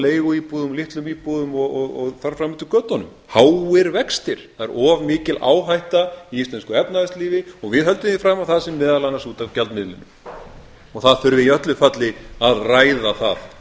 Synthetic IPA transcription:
leːjɣʏipuðʏmlɪht̪lʏmiːpuðʏmɔɣɔɣɔɣθaɾ̥fɾamɪht̪ʏkœːt̪ɔnʏm | haːwɪɾvɛkst̪ɪɾ̥θaðɛɾʔɔːvmɪːcɪla̰ːwɦajht̪aiist̪ɛnskʏɛpnaðɛst̪liːvɪɔɣvɪðɦœlt̪ʏmðifɾaːmawθaðsɛmːɛːðalanasut̪avcalmɪðlɪ̰nːʏm | ɔɣθaðθʏɾvɪiœht̪lʏfat̪lɪaðraːjðaθa̰ð

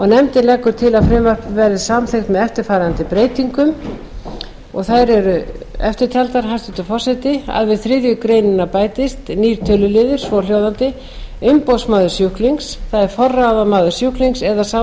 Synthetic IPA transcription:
ɔɣnɛmt̪ɪnlɛkːʏɾ̥t̪ʰɪlaðfɾɪːmvœr̥pvɛɾðɪsamθejxt̪mɛðɛft̪ɪɾ̥faːɾant̪ɪpɾeːjt̪iŋkʏm | ɔɣθajɾɛɾʏɛft̪ɪɾ̥t̪ʰjalt̪aɾ̥ɦajst̪ʏt̪ʏfɔr̥sajt̪ɪa̰ðvɪðθɾɪːðjʏkɾejnɪnːapaːjt̪ɪst̪niːɾ̥t̪ʰœːlʏlɪːðɪɾ̥svɔːljowðant̪ɪ | ʏmpowsmaːðʏsjʏhkliŋksθaðɛɾ̥fɔrːaðamaːðʏ̥sjuhkliŋksɛðasa

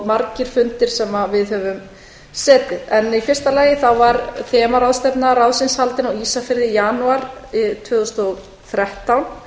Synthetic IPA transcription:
maɾcɪɾ̥fʏnt̪ɪɾ̥sɛmavɪðhœvʏm | sɛːt̪ɪðɛnifjɛrst̪alaːjɪθawvaɾθɛːmaɾawðst̪ɛpnaɾaðsɪnshalt̪ɪnawiːsafɪɾðɪjaːnuaɾɪt̪ʰvʏːðʏst̪ɔɣ | θɾɛht̪awn

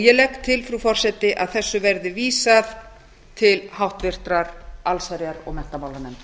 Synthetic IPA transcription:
jɛlɛkt̪ʰːɪlfɾufɔr̥sɛt̪ɪʔa̰ðθɛsːʏvɛɾðɪviːsað | t̪ʰɪlhawht̪vɪr̥t̪ɾaɾalsaɾjaɾɔ̰ɣmɛn̥t̪amaːwlaɾnɛn

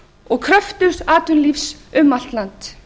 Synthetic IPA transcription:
ɔɣkʰɾœft̪ʏɾ̥saːt̪ʏnlifsʏmːal̥t̪lant̪

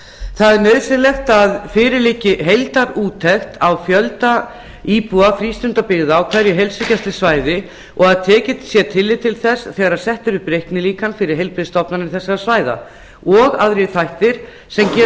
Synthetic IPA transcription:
θaðɛɾnœːɥðsɪnlɛxt̪aðfɪːɾɪliːcɪɦejlt̪aɾuːt̪ʰːɛxt̪awfjœlt̪a | iːpuafɾiːst̪ʏnt̪apɪɣðawkʰv̥ɛɾjɪɦejlsɪcast̪lɪsvaːjðɪ | ɔɣaðt̪ʰɛːcɪt̪sjɛt̪ʰɪlːɪt̪ʰɪlθɛsθɛːɣaɾaɾsɛht̪ʏɾʏhpɾejhknɪliːkanfɪɾɪɾ̥ɦejlpɾɪðst̪ɔpnanɪɾθɛsːaɾasvaːjða̰ | ɔɣaðɾiθajht̪ɪɾ̥ | sɛmcɛ

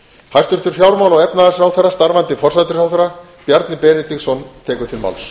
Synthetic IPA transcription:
hajst̪ʏɾ̥t̪ʏɾ̥fjawɾmawlaɣɛpnaðasawθɛɾːast̪aɾvant̪ɪfɔr̥sat̪ɪɾsawθɛɾa | pjaɾt̪nɪpɛːnɪt̪iɣsɔnt̪ʰɛːkʏ̥t̪ʰɪlma̰wls

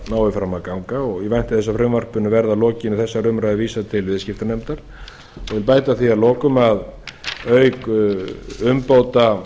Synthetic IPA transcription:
naːwɪfɾamːakawŋkaɔɣivajn̥t̪ɪ̥θɛs̬ːafɾʏmvar̥pʏnːʏvɛɾðalɔːcɪnʏθɛsːaɾʏmɾaðɪviːsat̪ʰɪlvɪðscɪft̪anɛmt̪aɾ̥ | ɔɣvɪlpaːjt̪aθialɔːkʏmaðœːɥk | ʏmpoːwt̪a

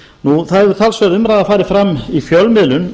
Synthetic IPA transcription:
nuθaðɛvʏɾ̥t̪ʰalsvɛðʏmɾajðafaːɾɪfɾamːifjœlmɪlʏn

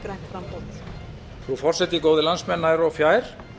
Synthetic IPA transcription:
ɾajht̪fɾampo̥ | θɾufɔr̥sɛt̪ikoːwðɪlansmɛnːaɛɾɔfjaːjɾ̥

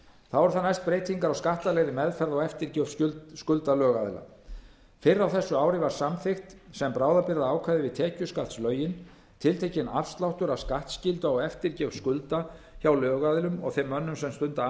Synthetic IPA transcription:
θaðvɔɾʏθanajst̪̚pɾeːjt̪iŋkaɾawskaht̪alɛɣðɪmɛðfɛɾðɔɣɛft̪ɪɾcɛfʏskʏlt̪alœːɣaðɪla̰ | fɪɾːawθɛsːʏaːwɾɪvaɾ̥samfɪxt̪sɛmpɾaːwðapɪɾðaaːwkʰvajðɪvɪðt̪ʰɛːcʏskalt̪slœːɥjɪn | t̪ʰɪlt̪ʰejcɪnafst̪lawht̪ʏɾaskaht̪scɪlt̪ʏaɣɛft̪ɪɾcɛfskʏlt̪açawlœːɣaðɪlʏmɔ̰ɣθɛmːœnːʏmsɛmst̪ʏnt̪a

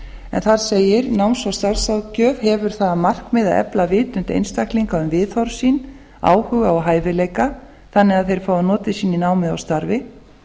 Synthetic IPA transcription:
ɛ̰nθaɾ̥seːjɪɾnawnsawst̪aɾsawcœːv̥hɛvʏɾ̥θaðamar̥kmɪðaɛ̰plavɪːt̪ʏnt̪ḛjnst̪akliŋkaʏmvɪðθɔɾsiːn | a̰ːwhʏɣaɔɦaːjvɪleːjka | θanːɪɣaðθejɾ̥fawðʏnɔːt̪ɪsiːninaːwmɪðawst̪aɾvɪ

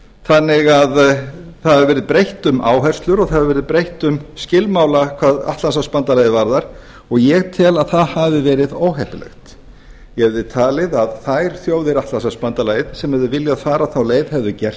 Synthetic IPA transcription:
θanːɪɣaðθaðaɾvɛːɾɪðpɾejht̪ʏmʔa̰ːwɦɛr̥st̪lʏɾɔɣθaðaɾvɛːɾɪðpɾejht̪ʏmscɪlmaːwlakʰvaːða̰ht̪lansaspant̪alaːjɪvaɾðaɾ̥ | ɔɣjɛɣt̪ʰɪɛlaðθaðhavðɪvɛːɾɪðoːwɦɛhp̪ɪlɛ̰xt̪ | jɛhɛvðɪt̪ʰaːlɪðaðθajɾ̥θjoːwðɪɾaht̪lansaspant̪alaːjɪðsɛmhɛvðɪvɪljaaðfaːɾaθawleːjðhɛvðʏcɛr̥t̪

